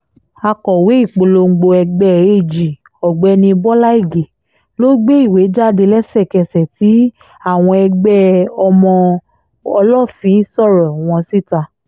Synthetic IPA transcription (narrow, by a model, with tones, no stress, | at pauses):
a˧kɔ˨we˨˦i˦˨k͡po˧lo˧ŋ̩˧ɡ͡bo˧ɛ˧ɡ͡bɛ˦e˦˨d͡ʒi˨ | ɔ˨ɡ͡bɛ˨˧˦nĩ˧bɔ˦la˦i˦˨ɡe˨ | lo˦ɡ͡be˦i˦˨we˨˦d͡ʒa˦˨de˧lɛ˦sɛ˦˨kɛ˧˨sɛ˨ti˨˦ | a˦˨w̃ɔ̃˧ɛ˧ɡ͡bɛ˦ɔ˧mɔ̃˧ | ɔ˧lɔ˦˨fĩ˨˦sɔ˦˨ɾɔ˨w̃ɔ̃˧si˦˨ta˧